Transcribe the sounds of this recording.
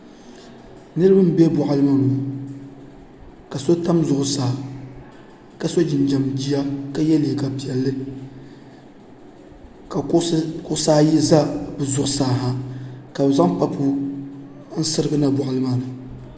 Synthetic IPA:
nɨ˦ɾɨ˦bɨ˦m˦bɛ˦bɔ˨ʔa˦lɨ˦ma˦nu˨ | ka˨so˦ta˦mzʊ˨ʔʊ˦saː˨ | ka˨so˦d͡ʒɪ˨n˨d͡ʒa˨md͡ʒi˦ja˦ka˦jɛ˦le˨ka˨pi˨ɛ˨lːɨ˦ | ka˨kʊ˦saː˦ji˦za˦bɨ˨zʊ˨ʔʊ˦saː˨ɦa˨ka˨bɨ˨za˦ŋpa˦pʰu˦ | n̩˦sɨ˦ɾɨ˦ɡɨ˦na˦bʊ˨ʔa˨lɨ˦ma˦nɨ˨

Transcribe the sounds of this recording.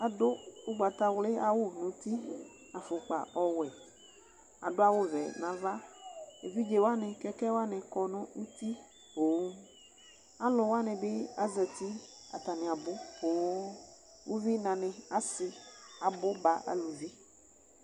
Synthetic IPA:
a˨do˦o˦ɡ͡ba˨t̪a˦wle˦a˨wo˦nũ˨˦t̪i˦ | a˨fʊ˨k͡pa̰˨ɔ˦wɛ˨ | a̰˨do˦a˦˨wo˦vɛ̰˨nã˨va˦e˨vi˦d͡ʒe˨wo˦a˦nɪ̃˨kɛ˦kɛ˦wo˦a˦nɛ̃˨kɔ˨nɔ̃˦u˦t̪i˦ | o˨˦ | a˦lʊ˨wo˦a˦nẽ˨be˦a˦zɛ˨t̪i˦a̰˨t̪a˨nẽ˨a˨bo˦o˨˦ | wʔo˦vi˦nã˨nɪ̃˨a˨sɪ˨a˨bʊ˦ba˨a̰˨lu˨vi˦

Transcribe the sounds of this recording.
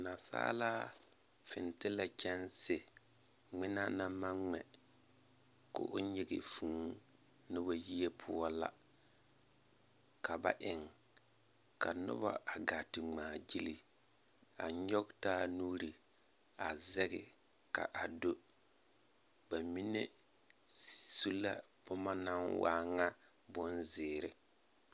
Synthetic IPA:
na˨sa̰ː˦laː˦ | fɪ̰˨n˨tɪ˦la˨t͡ʃɛ˦nsɪ˨ | ŋ͡mɪ˦na˦na˦ma˦ŋ͡mɛ˨ | kʊ̰˨ʔʊ˦ɲɪ˦ɡɪ̰˨fu˨˦ | nʊ˦ba˦ji˦e˦pʰʊ˦ɔ˦la̰˦ | kʰa˨ba̰˦ʔɪ˨ŋ | ka˨nʊ̰˦ba̰˦a˨ɡa˨tɪ˨ŋ͡maː˨d͡ʒi˦li˨ | a̰˨ɲɔ˦ktaː˦nuː˦ɾi˨ | a˨zɛ˦ɣɪ̰˨ | ka̰˨ʔa˨do˦ | ba˨mi˦ne˦ | su˦la̰˦pʊ˦ma˦na˦nwa̰ː˦ŋa˦ | bʊ˦nzɪː˨ɾɪ˨

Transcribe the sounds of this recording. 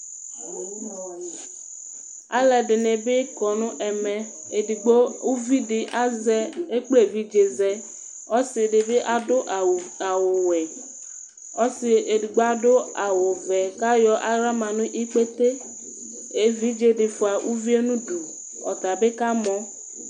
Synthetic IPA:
a̰˦lɛ˨ɖɪ˨ne˨be˦kɔ˨nʊ̃˦ʔɛ˨mɛ̃˨ | ɡ͡bo˦u˦vi˦dɪ˨ʔa˦zɛ˦e˦k͡ple˦˨vi˦d͡ʒe˨zɛ˦ | ɔ˦sɪ˨ɖɪ˨be˦ʔa˨dʊ˦ʔa˨wo˨wɛ˨ | ɔ˦sɪ˨e˨di˨ɡ͡bo˦a˦dʊ˦a˨wo˨vɛ˨ka˦jɔ˨˦ʔa˦ɾa˦mã˨nʊ̃˦ʔi˦k͡pe˦t̪e˦ | e˦vi˦d͡ʒe˨dɪ˨fʊ˨a˨ʔu˦vi˦e˦nũ˦du˨ | ɔ̰˨t̪a˨be˦ka˦mɔ̃˦

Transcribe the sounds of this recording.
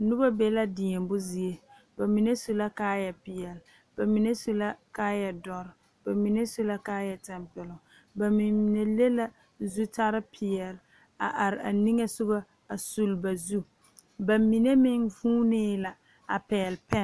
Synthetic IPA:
nʊ˦ba˦be˦la˦dɪ˨ɛ˨mbʊ˦zi˨e˦ | b̥a˨mi˨ne˦su˦la˦kaː˦jɛ˨pɪ˨jɛ˨l | b̥a˨mi˨ne˦su˨la˦kaː˦jɛ˨dɔ˦ɾɪ˨ | b̥a˨mi˨ne˦su˦la˦kaː˦jɛ˨tɛ˨mpɪ˨lʊ˨ | ba˨mɪ˨ne˨le˦la˦ | zu˦ta˦ɾɪ˦pʰɪ˨ɛ˨l | a̰˨ʔa˨ɾɪ˨a̰˨ni˦ŋe˦sʊ˦ba˦ | a˨su˨lba˨zu˦ | ba˨mi˨ne˦mɪ˦ŋvuː˦nɪː˦la˨ | a̰˨pɛ˨lpɛ˦˨

